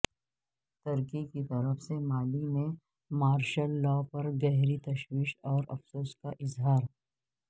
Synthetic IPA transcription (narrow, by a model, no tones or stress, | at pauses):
t̪ɐɾkikit̪ɐɾəfsemaːlimẽ | maːɾʃəlːɔːpɐɾɡɛɦɾit̪ɐʃwiːʃɔːɾɐ̰fsoːskaʔɪzɦaːɾ